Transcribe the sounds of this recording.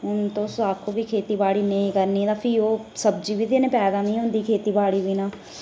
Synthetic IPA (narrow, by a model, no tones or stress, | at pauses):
ɦʊnt̪õːsaːkʰoːbiːkʰeːt̪iːbaːɽiːnəĩːkəɾniːt̪ãːpʰioːsəbd͡ʒiːbiːd̪enẽːpɛːd̪aːnĩːʊnd̪iːkʰeːt̪iːbaːɽiːbiːnãː